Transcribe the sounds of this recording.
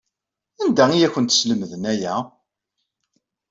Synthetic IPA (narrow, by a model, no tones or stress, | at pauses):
ænd̪æijækʷːənt̪sləməðənæjæ